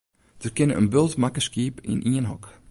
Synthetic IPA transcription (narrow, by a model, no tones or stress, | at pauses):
d̥ərkɪnəə̰nbølˠtmakəskiːpḭnʔiənɦɔ̰k